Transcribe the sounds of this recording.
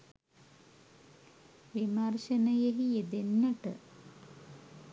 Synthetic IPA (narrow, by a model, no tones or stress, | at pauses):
ʋimarʃənəjeɦied̪enːɐʈə̰